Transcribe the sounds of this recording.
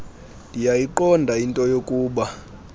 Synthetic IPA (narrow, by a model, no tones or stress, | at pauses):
ndʱijajiǃɔndʱaintʼɔjokʼuːɓa